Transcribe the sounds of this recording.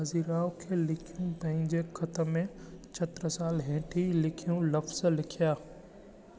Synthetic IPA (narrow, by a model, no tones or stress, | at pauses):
ɐziːɾaːokʰelɪkʰijũpɐ̃ɦɪ̃ɲd͡ʑekʰɐt̪ə̆mẽt͡ɕʰɐt̪ɾəsaːlɦẽːʈʰilɪkʰijũlɐfz̥lɪkʰijaː